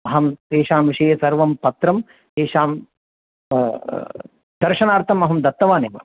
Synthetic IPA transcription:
ɐɦɐmt̪eːʃaːmʋiʂɐjɐsɐɾʋɐmpɐt̪ɾɐm | t̪eːʂaːm | d̪̥ɐɾʂɐnaːɾt̪ʰɐmɐɦɐmd̪ɐt̪ːɐʋaːneːʋɐ̰

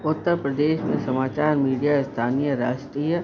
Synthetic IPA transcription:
ʊt̪ːəɾpɾɐd̪eːʃmẽsɐmaːt͡ʃaːɾmiːɖijast̪ʰaːnijəɾaːʃʈɾijə

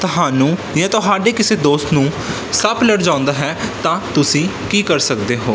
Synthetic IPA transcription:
t̪ʊɦaːnũː | jãːt̪ʊɦaːɖeːkɪseːd̪oːst̪nũː | səpləɽd͡ʒãːʊ̃nd̪aːɦɛːt̪ãːt̪ʊsĩːkiːkəɾsək̚d̪eːɦoː

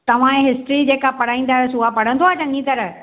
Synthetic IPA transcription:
t̪ɐʋ̤ãẽɦɪsʈɾid͡ʑeːkapɐɽ̤aːĩːn̆d̪aːɦɪsʊapɐɽ̤ə̃nd̪ʰoaːt͡ɕɐ̃ŋĩt̪ɐɾə

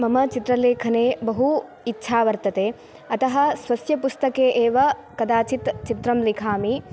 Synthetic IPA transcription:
mɐmɐt͡ʃit̪ɾɐleːkʰɐneːbɐɦu | itːʃʰaːʋɐɾt̪ɐt̪eː | ɐt̪ɐɦɐsʋɐsjɐpust̪ɐkeːʔeːʋɐkɐd̪aːt͡ʃit̪t͡ʃit̪ɾɐmlikʰaːmi

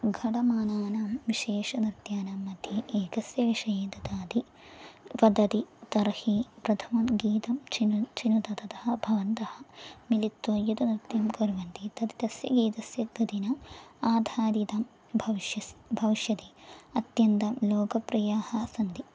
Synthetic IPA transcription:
ɡʱɐʈɐmaːnaːnaːmʋiʃeːʂɐnɾt̪jaːnamːɐt̪iʔeːkɐsjɐʋiʂɐjeːt̪ɐd̪aːd̪i | ʋɐd̪ɐt̪it̪ɐɾɐhipɾɐd̪ʱʰɐmɐnɡiːt̪ɐmt͡ʃint͡ʃinut̪ɐt̪ɐt̪ɐɦɐbʱɐʋɐnt̪ɐhɐmilit̪ʋɐjut̪ɐnɾit̪jɐmkoɾʋɐnt̪it̪ɐt̪it̪ɐsjɐ̰ɡiːt̪ɐsjɐɡɐd̪inɐaːd̪ʱaːd̪it̪ɐm | bʱɐʋʃjɐbʱɐʋiʃjɐt̪eːɐt̪jɐnt̪ɐmloːkɐpɾɐjaːhɐsɐnd̪i

